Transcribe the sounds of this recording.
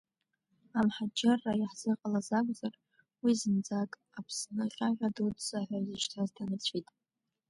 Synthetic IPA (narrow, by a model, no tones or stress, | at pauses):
amħad͡ʒarːaiħz̥ɨqʼalazakʷʼzar | wizɨnd͡zakʼ | apʰsnɨχʲʼaʁʲadudsaħʷᶣaziʃtʰazdanɨt͡ɕʷʰitʼ